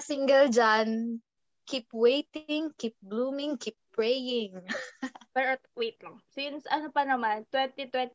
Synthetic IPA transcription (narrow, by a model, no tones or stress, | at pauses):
siŋɡɛld͡ʒan | kipwejt̪ɪŋkip̚ɡluːmɪ̃ŋkip̚ːpɹejɪŋ | pɛɔt̪wejt̪̚laŋsɪnsʔɐnopɐnɐmant̪wɛnt̪it̪wɛnt̪